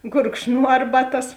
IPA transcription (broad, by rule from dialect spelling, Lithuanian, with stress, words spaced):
ɡʊrkʃˈnuɔ ˈɐrbɐˌtɐs